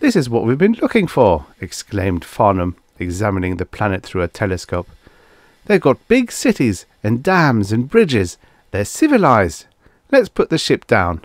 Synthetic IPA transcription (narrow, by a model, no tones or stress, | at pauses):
ðɪsɨzwʌʔ̚wivbɨ̃nlʊkɪ̃ŋfə˞ɨkskʰlẽɪ̃md̥fɑɹnə̃m | ɨɡzæmɨnɪ̃ŋðɨpʰl̥ænɨt̪̚θɹʉɨtʰɛlˠɨskoʊp̚ | ðeɪvɡɑt̚b̥ɪɡsɪɾiz | ɨ̃ndæ̃mzɨ̃nbɹɪd͡ʒɪz | ðə˞sɪvɨlaɪz | lɨtspʰʊt̪̚ðɨʃɪp̚d̥ãʊ̃n